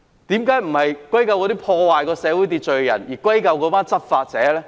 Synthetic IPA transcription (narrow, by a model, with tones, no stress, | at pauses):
t̪iː˨˥mkaː˨˥jm̩˨˩hɐ˨jkwɐ˥jkɐ˧wkɔː˨˧t̪iː˥pʰɔː˧waː˨jkɔː˧sɛː˨˧˥wu˨˥jt̪iː˧t̚t͡ʃɵ˨ɥjɐ̰˨˩njiː˨˩kwɐ˥jkɐ˧wkɔː˨˥paː˥nt͡sɐ˥t̚faː˧t̚t͡sɛː˨˥lɛː˥